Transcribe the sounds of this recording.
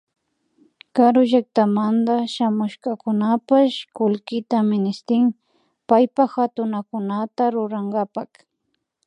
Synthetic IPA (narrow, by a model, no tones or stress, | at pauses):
kaɾʊʒak̚t̪amand̪aʃamʊʃkakʊnapaʃkʊlkɪt̪amɪnɪst̪ɪŋ | pajpaxat̪ʊnakʊnat̪aɾʊɾaŋɡapak